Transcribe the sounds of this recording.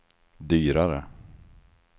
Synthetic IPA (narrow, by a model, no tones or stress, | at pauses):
d̪yːɾaɾə̰